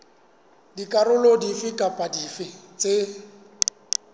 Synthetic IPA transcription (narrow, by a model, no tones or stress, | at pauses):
dikʼarʊlodifɪkʼapʼadifɪt͡sʼe